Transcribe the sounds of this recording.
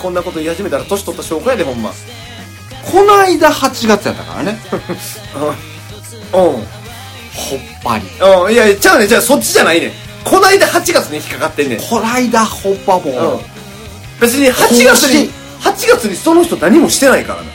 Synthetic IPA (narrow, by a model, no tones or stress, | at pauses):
kõ̞nːako̞t̪o̞ihaʑime̞t̪aɾat̪o̞ɕi̥t̪o̞t̪ːaɕo̞ːɡajd̪eɦõ̞mːa̰ | kʰo̞naid̪ahat͡ɕiɡat͡sɨja̰t̪ːa̰ka̰ɾa̰ne | ɯ̃ | ɯ̃ː | hopːa̰ɾʲḭɯ̃ːjaat͡ɕaɯned͡ʑaːso̞t͡ɕːiʑanainẽ̞̰ | kʰo̞naid̪ahat͡ɕiɡat͡sɨɲ̟içʲi̥kːaɡat̪ːenːḛ̃kʰonaid̪ahobːamoɯ̃ | be̞t͡s̬ɨɲ̟ihaiɡasɨɲi | hat͡ɕiɡat͡sɨɲ̟iso̞no̞çʲi̥t̪o̞naɲ̟imo̞ɕi̥t̪e̞naika̰ɾa̰ne